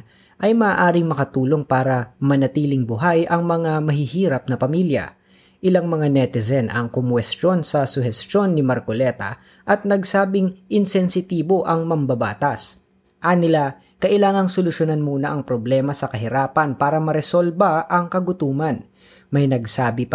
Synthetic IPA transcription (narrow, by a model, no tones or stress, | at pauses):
ʔɐjmɐaːʔaːɾɪŋmɐkɐt̪uːlo̞ŋpaːɾɐmɐnɐt̪iːlɪŋbʊɦajʔɐŋmɐŋamɐɦɪhiːɾɐp̚nɐpɐmiljɐ̰ | ʔɪlaŋmɐŋanɛt̪ɪzɛnʔɐ̰ŋkʊmwɛst̪jo̞nsɐsʊhɛst̪o̞nːɪmɐɾkolɛːt̪ɐ̰ | ʔɐt̪̚nɐɡsaːbɪŋʔɪnsɛnsɪt̪iːbo̞ʔɐŋmɐmbɐba̰ːt̪ɐs | ʔɐnɪla | kɐʔɪlaːŋɐŋsolʊsjonanmuːnɐʔɐŋpɾoblɛːmɐsɐkɐɦɪɾaːpɐnpaːɾɐmɐɾɛsolbɐʔɐŋkɐɡʊt̪uːmɐn | mɐjnɐɡsaːbɪp